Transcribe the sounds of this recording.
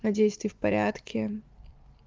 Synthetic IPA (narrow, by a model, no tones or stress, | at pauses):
nɐdʲejst̪vʲɪfpɐɾʲa̰t̪kʲʰɪ